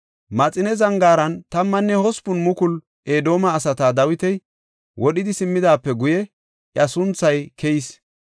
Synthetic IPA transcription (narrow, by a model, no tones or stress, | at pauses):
mɐt͡sʼɪnɛzɐŋɡaːɾɐnt̪ɐmːɐnːɛhɔspʊnmʊkʊl | ʔeːd̪o̞ːmɐːsɐt̪aːd̪ɐwɪt̪ɛj | wɔɗɪd̪ɪsɪmːɪd̪aːpːɛɡʊjɛ | ʔjɐsʊnt͡sːɐjkʰɛjis